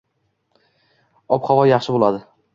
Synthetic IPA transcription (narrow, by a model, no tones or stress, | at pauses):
ɒpχɒvɒjɑχʃɪbolˠad̪ɪ